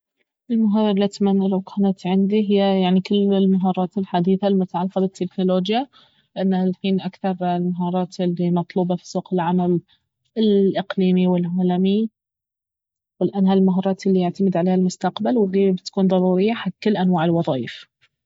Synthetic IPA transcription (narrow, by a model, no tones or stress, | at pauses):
ʔɪlmʊɦɑːɾˤɑɾˤlːit̪manːalawkʰaːnat̪ʕɪnd̪iɦɪjːajaʕnikɪlːɪlmaɦɑːɾˤɑːt̪ɪlħad̪iːθalmʊt̪aʕalːqɑbɪt̪ʰːɪknʊloːd͡ʒja | lɪʔanːalħiːnʔakθɑɾˤlmaɦɑːɾˤɑːt̪ɪlːimɑt̪ˤluːbɑfi̥suːqɪlʕamal | ɪlʔɪqliːmiwɪlʕaːlami | wɪlʔaːnhalmaɦɑːɾˤɑːt̪ʔɪlːijaʕt̪amɪd̪ʕaleːhalmʊst̪aqbalwhiːbɪt̪kuːnðˤɑɾˤuːɾɪjːaħat̪ːkɪlːʔanwaːʕɪlwɑðˤɑːjɪf